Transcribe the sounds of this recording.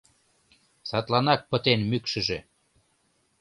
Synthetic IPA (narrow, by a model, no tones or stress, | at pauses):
sɑt̪lɑnɑk̚pə̆t̪enmykʃə̆ʒe